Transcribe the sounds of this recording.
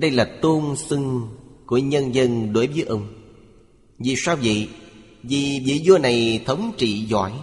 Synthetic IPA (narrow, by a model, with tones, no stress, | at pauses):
ɗə˧jlaː˨˩t̪o˧nsɨ˧ŋku˧˩əɲə˧nzə˧nɗo˨˦jvəː˨˦jʔə˧wŋ͡m | vi˨˩saː˧wvə̰˧˨ | vi˨˩vḭ˧˨zo˧na˨˩jt̪ʰə˨˦wŋ͡mt͡ɕḭ˧˨zɔ̰˧˩j